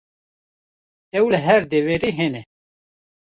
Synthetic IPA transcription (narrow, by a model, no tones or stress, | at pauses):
ɛwləɦɛɾd̪eveɾiːɦenɛ